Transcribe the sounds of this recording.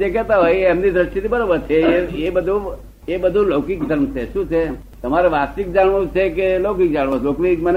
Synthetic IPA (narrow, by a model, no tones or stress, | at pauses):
d͡ʒekɛt̪aɦojɛmnid̪ɾəʃʈit̪ibəɾobəɾt͡ʃʰeeebəd̪ʱu | ebəd̪ʱũlokik̚d̪ʱəɾmt͡ʃʰeʃũt͡ʃʰe | t̪əmaɾeʋasik̚d͡ʒaɳʋõt͡ʃʰekelokik̚d͡ʒaɽʋõlokʋimən